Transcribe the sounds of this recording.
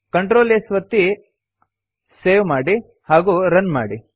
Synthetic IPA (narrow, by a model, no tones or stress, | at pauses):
kɐɳʈɾoːlesʋɐt̪ːi | seːʋmaːɽi | haːɡuɾɐnma̰ːɽi